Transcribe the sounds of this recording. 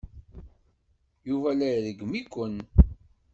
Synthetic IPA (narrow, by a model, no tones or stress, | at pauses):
juvælæjðəɡmikʷːən